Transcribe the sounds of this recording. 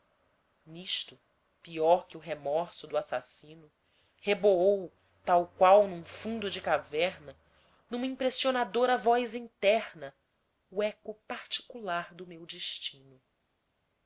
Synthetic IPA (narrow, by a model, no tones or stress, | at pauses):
niʃt̪ʊ | piɔɾkɪʊɦemɔɾsʊd̪ʊasa̰sĩnʊ | heboow | t̪awkwawnũfũnd̪ʊd͡ʒɪkavɛɾnɐ | nũmɐĩpɾesionad̪oɾɐvɔjzĩnt̪ɛɾnɐ | uɛkʊpaɾt͡ʃi̥kulaɾd̪ʊmewd͡ʒiʃt͡ʃĩnʊ